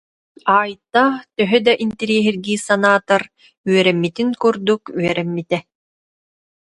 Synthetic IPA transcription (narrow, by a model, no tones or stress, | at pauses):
aːjt̪at̪œɦœd̪aʔint̪ɛɾiɛɦiɾɡiːsanaːt̪ɔɾ | yœɾɛmːit̪iŋkuɾd̪ukyœɾɛmːit̪ɛ